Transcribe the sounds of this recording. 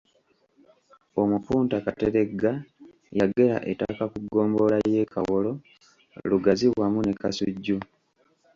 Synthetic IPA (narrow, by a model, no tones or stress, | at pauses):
o̞mupuːntakateɾe̞ɡːa | jaɡe̞la̰ʔetakakuɡo̞ːmbo̞laje̞ːkʰa̰wolo̞ | luɡaziwwamune̞kasṵɟːu